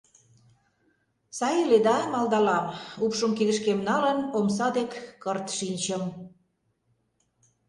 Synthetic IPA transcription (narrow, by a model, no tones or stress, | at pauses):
sɑjeled̪ɑmɑld̪ɑlɑmupʃomkiɣə̆ʃkemnɑlənomsɑd̪ekːərt̪ʃinʲt͡ɕəm